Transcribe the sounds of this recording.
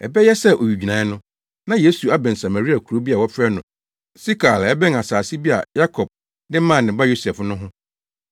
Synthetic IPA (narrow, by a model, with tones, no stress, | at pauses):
ɛ˨bɛ˦jɛ˦sɛ˦ʔo˨ɥi˨d͡ʑᶣi˨nã˨˦nʊ̃˦ | nã˦je˦su˨a˦bɛ̃˨n̩˨sa˨ma˨ɾi˦a˨kʰu˨ɾo˦bi˦a˨wɔ˦fɾɛ˦nʊ̃˨ | si˦kʰa˨lɛ˦bɛ̃˦ŋa˨saː˨si˦bi˦a̰˨ja˦kʰɔ˨b̚ | nɪ˦mã˦˨nːɪ̃˨ba˦jo˦sɛ˨fnʊ̃˦ɦʊ̃˦